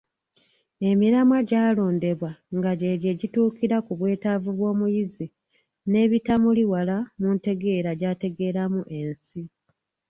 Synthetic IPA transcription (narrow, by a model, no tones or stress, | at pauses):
e̞miɾamwaɟaːlo̞ːnde̞βwaŋɡaɟe̞ɟeːɟituːkiɾakuβwe̞ːtavuβwo̞ːmujizi | ne̞ːβitamuliwalamunte̞ɡe̞ːɾaɟaːte̞ɡe̞ːɾamuʔe̞nsi